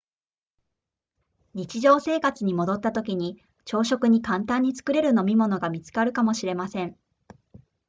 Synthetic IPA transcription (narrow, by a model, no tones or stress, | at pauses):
ɲ̟it͡ɕiʑo̞ːse̞ːkat͡sɨɲ̟imo̞d̪o̞t̪ːat̪o̞kʲiɲ̟i | t͡ɕo̞ːɕo̞kɯ̟ɲ̟ikãnt̪ãɲ̟ːit͡sɨ̥kɯ̟ɾe̞ɾɯ̟no̞mʲimo̞no̞ɡamʲit͡sɨ̥kaɾɯ̟kamo̞ɕiɾe̞masẽ̞ɴ